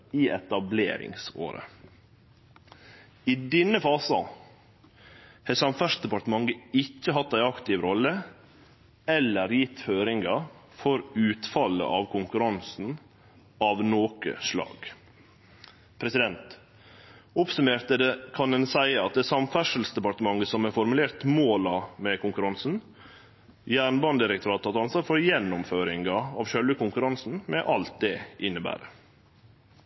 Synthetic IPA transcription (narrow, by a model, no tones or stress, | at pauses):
iɛt̪ɑblḛːɾɪ̰ŋso̰ːɾə̰ | ɪd̪ɪnːəfɑːsɑ | hɛsɑmfæʂd̪ɛpɑʈ̪əmɑŋɡəɪçːəɦɑt̪ːæɪɑkt̪ɪʋɾɔlːə | ɛlːəɾjɪt̪ːføːɾɪŋɡɑ | fɔɾʉːt̪fɑlə̰ʔɑːʋkʰʊŋkʉɾɑnsn̩ | ɑːʋnoːkə̰ʂlɑ̰ːɡ̥ | pʰɾɛsɪd̪ɛnt̪ | ʊpsʉmeːɾt̪əd̪ɛkʰɑnd̪ɛnsæɪəɑt̪̚d̪ɛsɑmfæʂəl̩sd̪ɛpɑɾt̪əmɑŋːəsɔmɛfɔɾmʉleːɾt̪moːlɑmɛkʰʊŋkʉɾɑnsn̩ | jæːɳbɑnd̪ɪɾəkt̪ʰʊɾɑːt̪ʰːɑt̪ɑnsʋɑːɾfɔɾjɛnːʊmføːɾɪŋɡɑɑʋʃœlʋəkʊŋkʉɾɑnsn̩mɛʔɑlt̪̚d̪ɛʔɪnːəbæ̰ːɾə̰